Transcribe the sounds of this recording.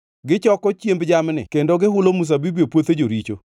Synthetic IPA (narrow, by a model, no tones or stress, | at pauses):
ɡɪt͡ʃɔkɔt͡ʃjembd͡ʒamnɪ̰kendoɡɪɦʊlomus̬abibiopwot̪ed͡ʒoɾit͡ʃo̰